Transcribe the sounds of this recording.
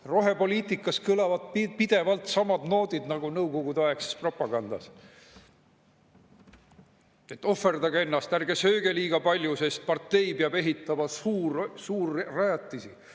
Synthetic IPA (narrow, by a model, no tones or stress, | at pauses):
ro̞ɦe̞po̞liːt̪ˑikːˑɑskɯlɑvɑd̪̥̚pipid̪̥e̞vɑlt̪sɑmɑd̪no̞ːd̪̥id̪̥nɑɡ̥unɤwko̞ɡud̪̥ɑekse̥spro̞pːˑɑɡ̥ɑnd̪̥ɑ̰s | e̞t̪ːˑo̞ferd̪̥ɑɡɑe̞nːɑst̪ærɡe̞sø̞ːɡe̞liːɡ̥ɑpɑlʲjuse̞st̪̚pɑrt̪ːe̞jpeɑbe̞ɦit̪ːˑɑmɑuːɾsuːrːɑjɑt̪ːˑisi